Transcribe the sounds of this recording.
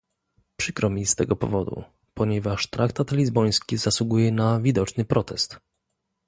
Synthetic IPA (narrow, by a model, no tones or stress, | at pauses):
pʂɘkɾɔmʲist̪ɛɡɔpɔ̰vɔd̪ṵ | pɔɲɛvaʂt̪ɾʔakt̪at̪lʲizbɔj̃skʲizaswuɡujɛnavʲid̪ɔt͡ʂnɘpɾɔt̪ɛst̪